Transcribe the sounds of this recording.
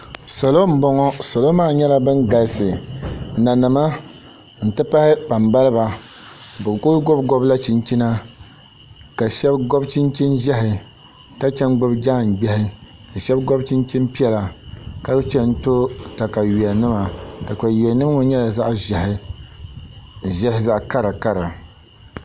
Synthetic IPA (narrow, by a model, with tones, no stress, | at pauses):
sa˨lo˦m̩˦bɔ˦ŋɔ˦sa˨lo˦maː˦˨ɲɛ˦la˦bɨ˦nɡa˨lsɨ˨na˨nɨ˨ma˦ | n̩˨tɨ˦pa˦hɪ˦pa˨mba˦lɨ˦ba˨ | bɨ˨ko˦ɡo˦bɡɔ˦bla˦t͡ʃi˨nt͡ʃi˦na˦ | ka˨ʃɛ˦bɡo˦bt͡ʃi˦nt͡ʃi˦nʒɛ˦ɦɪ˨ | ka˦t͡ʃɛ˦nɡ͡bʊ˦bd͡ʒa˦˨n̩˨ɡ͡bɛ˦hɪ˦ | ka˨ʃɛ˦bɡo˦bt͡ʃi˦nt͡ʃi˦npi˦ɛ˦la˨ka˦t͡ʃɛ˦n˦to˦ta˨ka˨ɥi˨ɛ˨nɨ˦ma˨ta˨ka˨ji˨a˨nɨ˦m˦ŋʊ˨ɲɛ˦la˨za˦ʔʒhɪ˦ | ʒɛ˦hɪ˦za˦ʔka˦ɾa˨ka˦ɾa˨